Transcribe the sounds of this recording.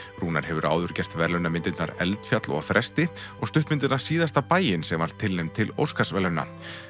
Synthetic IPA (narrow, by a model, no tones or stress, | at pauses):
ruːna̰ɾ̥hɛvʏɾʔa̰ːwðʏɾ̥cɛr̥t̪vɛɾlœnamɪnt̪ɪt̪naɾɛ̰lt̪fjat̪lɔ̰ɣθɾʔɛst̪ɪɔɣst̪ʏht̪mɪnt̪ɪt̪naɾ̥siːðast̪apaːjɪnsɛmvaɾ̥t̪ʰːɪlnejmt̪ʰɪlo̰wskasvɛlœna̰